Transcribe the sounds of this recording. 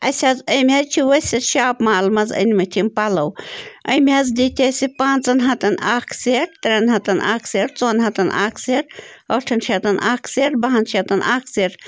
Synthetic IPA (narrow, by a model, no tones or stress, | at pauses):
ɐsʲɐzəjmʲɦɐt͡ʃʰiʋɐsʲɐʃaːpmaːlmɐzɐ̰nimɐt̪ʰimpɐlɐwɐ̰jmʲɦɐzd̪it̪ʰʲɐsʲipaːnt͡sɐnɦɐt̪ɐnaːkʰseʈt̪ɾʲɐnɦɐt̪ɐna̰ːkʰseːɾt͡soːnɦɐt̪ɐnʔa̰ːkʰseɾɐʈʰɐnʃʰʲɐt̪ɐnʔaːkʰseːʈbɐɦɐnt͡ʃʰɐt̪ɐnʔaːkʰseːʈ